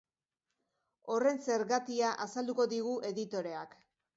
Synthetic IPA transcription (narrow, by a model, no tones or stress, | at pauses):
o̞re̞nse̞ɾɣat̪iaʔasald̪uko̞ðiɣ̞uʔe̞ðit̪o̞ɾe̞ak